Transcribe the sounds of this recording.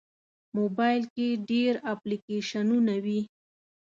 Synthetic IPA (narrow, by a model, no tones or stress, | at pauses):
mobajlkeɖeɾaplikeʃanunawi